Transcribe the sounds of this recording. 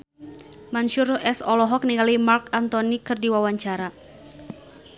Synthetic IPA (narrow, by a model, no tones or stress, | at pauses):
manʃuɾɛsɔlɔɦɔk̚niŋalimarkant̪ɔnikɨrdiwawaɲt͡ʃaɾa